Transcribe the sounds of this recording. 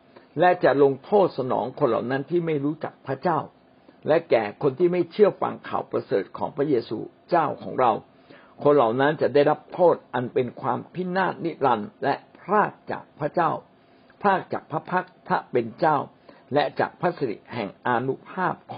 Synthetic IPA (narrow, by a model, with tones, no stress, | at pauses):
lɛ˦˥t͡ɕa˨˩lo˧ŋt̪ʰoː˥˩t̪̚sa˧nɔ̰ː˩˦ŋkʰo˧nla̰˨˩wna˦˥nt̪ʰiː˥˩ma˥˩jɾuː˦˥t͡ɕa̰˨˩k̚pʰɾa˦˥t͡ɕaː˥˩w | lɛ˦˥kɛː˨˩kʰo˧nt̪ʰiː˥˩ma˥˩jt͡ɕʰɯ˥˩ɐfa̰˧ŋkʰa̰ː˨˩wpɾa˧sɤː˨˩t̪̚kʰɔː˩˦ŋpʰɾa˦˥jeː˧sṵː˧ | t͡ɕaː˥˩wkʰɔː˩˦ŋɾa˧w | kʰo˧nla˨˩wna˦˥nt͡ɕa˨˩daː˥˩jɾa˦˥p̚t̪ʰoː˥˩t̪̚ʔa˧npe˧nkʰwaː˧mpʰi˦˥˩naː˥˩t̪̚ni˦˥t̪̚ɾa˧nlɛ˦˥pʰɾaː˥˩k̚t͡ɕa̰ː˨˩k̚pʰɾa˦˥t͡ɕaː˥˩w | pʰɾaː˥˩k̚t͡ɕaː˨˩k̚pʰɾa˦˥pʰa˦˥k̚pʰɾa˦˥pe˧nt͡ɕaː˥˩w | lɛ˦˥t͡ɕa̰ː˨˩k̚pʰɾa˦˥sa˧dḭ˨˩hɛ˨˩ŋʔaː˧nu˦˥pʰaː˥˩p̚kʰː